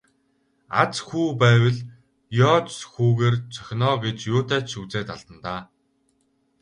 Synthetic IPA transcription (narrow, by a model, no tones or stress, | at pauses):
a̰t͡sxuːpæːwə̆ɮ | jɔːt͡sxuːɣeːrt͡sʰœ̥xʲnɔːɡet͡ɕjʊːt̪æːt͡ɕʃuːt͡seːt̪aɮt̪ə̆nt̪aː